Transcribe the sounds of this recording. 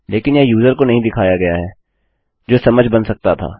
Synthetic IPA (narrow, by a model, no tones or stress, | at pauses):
leːkɪnjɛjuːzəɾkonɐɦĩd̪ɪkʰaːjaɡɐjaɦɛː | d͡ʒoːsɐməd͡ʒʱbɐnsɐk̚t̪at̪ʰa̰ː